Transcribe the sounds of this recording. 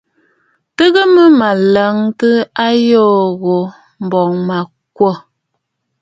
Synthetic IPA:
tə˦ɣə˦mə˦ma˨lə˨˦ŋtə˦a˦jɔː˦˨ɣo˨ | m̩˨bɔ˨ŋma˨ | k̚wo˦˨

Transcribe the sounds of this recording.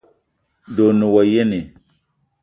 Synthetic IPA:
do˨nu˨wa˨je˦ne˨

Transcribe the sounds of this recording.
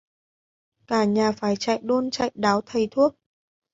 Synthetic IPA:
kaː˧˩ɲaː˨˩faː˧˩jt͡ɕa̰ː˧˨jɗo˧nt͡ɕa̰˧˨jɗaː˨˦wt̪ʰə˨˩jt̪ʰu˦˥ək̚

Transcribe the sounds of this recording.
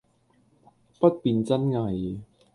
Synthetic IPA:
pɐ˥t̚piː˨˧nt͡sɐ˥nŋa˧j

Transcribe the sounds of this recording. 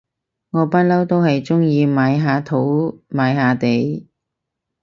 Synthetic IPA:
ŋɔː˨˧pɐ˥t̚lɐ˥wt̪o˥whɐ˨jt͡sʊ˥ŋjiː˧maː˨˧jɦaː˨˧t̪ʰo˨˥wmaː˨˥jɦaː˨˧t̪e˨˧j

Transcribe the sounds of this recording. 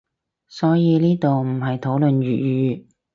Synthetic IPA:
sɔː˨˥jiː˨˧niː˥t̪o˨wm̩˨˩ɦɐ˨jt̪ʰo˨˥wlɵ˨nɥyː˨t̚jyː˨˧˥

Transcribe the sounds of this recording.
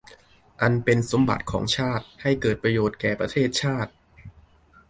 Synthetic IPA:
ʔa˧npe˧nso˩˦mba̰˨˩t̪̚kʰɔ̰ː˩˦ŋt͡ɕʰaː˥˩t̪̚ha˥˩jkɤː˨˩t̪̚pɾa˧joː˨˩t̪̚kɛː˨˩pɾa˧t̪ʰeː˥˩t̪̚t͡ɕʰaː˥˩t̪̚

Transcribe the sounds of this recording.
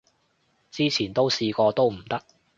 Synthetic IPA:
t͡siː˥t͡sʰiː˨˩nt̪o˥wsiː˧kɔː˧t̪o˥wm̩˨˩t̪ɐ˥k̚

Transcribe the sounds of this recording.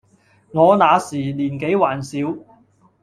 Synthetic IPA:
ŋɔː˨˧naː˨˧siː˨˩liː˨˩nke˨˥jwaː˨˩nsiː˨˥w

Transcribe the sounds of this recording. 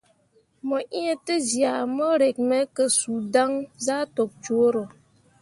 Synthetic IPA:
mɔ˨ʔi˦ə˦tə˦zja˨mɔ˦ɾe˨k̚mə˦kə˨suː˨da˦ŋza˦to˨k̚t͡ʃu˨o˦ɾo˨

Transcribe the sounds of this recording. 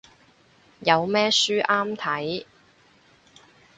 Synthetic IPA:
jɐ˨˧wmɛː˥syː˥ʔaː˥mt̪ʰɐ˨˥j

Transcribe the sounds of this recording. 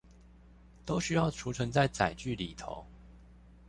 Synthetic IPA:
t̪o˥ʊɕy˥jɑ˥˩ʊʈ͡ʂʰu˧˥ʈ͡ʂʰɤ˧˥ŋt͡sa˥˩ɪt͡sa˨˩ɪt͡ɕy˥˨li˨˩t̪ʰo̰˧˦ʊ

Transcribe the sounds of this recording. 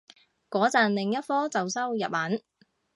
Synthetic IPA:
kɔː˨˥t͡sɐ˨nlɪ˨ŋjɐ˥t̚fɔː˥t͡sɐ˨wsɐ˥wjɐ̰˨p̚hɐ˨˥n

